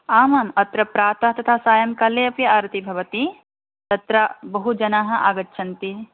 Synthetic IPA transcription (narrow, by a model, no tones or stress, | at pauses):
aːmaːmɐt̪ɾɐpɾaːt̪ɐɦɐt̪ɐt̪ʰaːsaːjɐmkɐleɐpjɐaːɾt̪ibʱɐʋɐt̪i | t̪ɐt̪ɾɐbɐɦud͡ʒɐnaːɦɐ̆ʔaːɡɐtːʃʰɐnt̪i